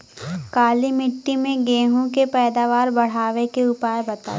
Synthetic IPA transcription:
kaːlimɪʈːimẽɡẽːɦũkepɛːd̪aːʋaːɾbɐɽ̤aːʋekeʊpaːebɐt̪a̰ː

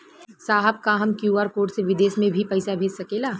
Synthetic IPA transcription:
saːɦəb̚kaɦɐmkjuːaːɾpoːʈseʋɪd̪eːsmẽbʱipɐɪsabʱeːd͡ʒsɐkelaː

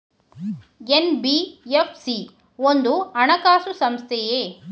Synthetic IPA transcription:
enbiepʰsi | ond̪uɐɳɐkaːsusɐmst̪ʰɛjeː

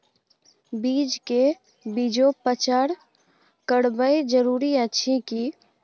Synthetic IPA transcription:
biːd͡ʒke | biːd͡ʒopət͡ʃaɾ | kəɽbəid͡ʒəɾuːɾiətːʃʰiki

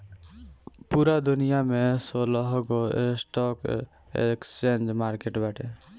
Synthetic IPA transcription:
puɾad̪unijamesoləɦɡoesʈɔk | ḛkst͡ʃend͡ʒmaɾkeʈbaʈʰḛ

